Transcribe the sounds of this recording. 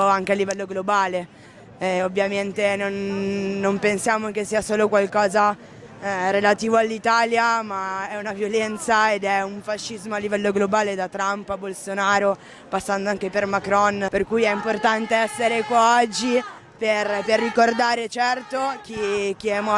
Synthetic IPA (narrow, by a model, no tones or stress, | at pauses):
aŋk̟ealːivɛlːoɡlobaːle | ovːjament̪enonːompensjaːmok̟esːiːasoːlokwalkɔːza | relat̪iːvoalːit̪aːljamaɛunavjolɛnt̪saed̪ɛuɱfaʃːizmoalːivɛlːoɡlobaːled̪at̪ɾampabolsonaːɾo | pasːand̪oaŋkepermakɾɔnperkujɛimport̪ant̪eɛsːeɾekwaɔd͡ʒːi | perperːikord̪aːɾet͡ʃɛrt̪ok̟ik̟iɛmɔ